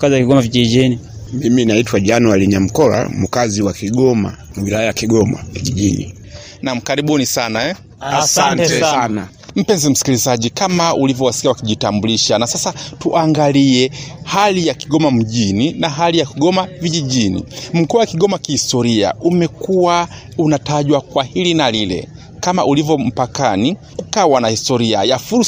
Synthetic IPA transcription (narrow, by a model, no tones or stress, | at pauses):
kaziwakiɡɔmavid͡ʒiʄinimiminaitwaʄanualiɲam̩kɔla̰mukaziwakiɠɔma̰wilajajakiɡɔma̰viʄiʄinḭ | nam̩kaɾiɓunisanaɛ | asanttɛana | m̩pɛnzɛm̩si̥kilizaʄikamaulivɔwasi̥kiawakiʄitambuliʃanasasatuʔaŋɡaliɛhalijakiɠɔmam̩ʄininaɦalijakiɠɔmaviʄiʄinḭm̩kuwakiɠɔmakihistɔɾia̰ʔumɛkuwa | unataʄwakwahilinalilɛ̰ | kamaʔulivɔm̩pakanikukaːwanahistɔɾia̰jafuɾ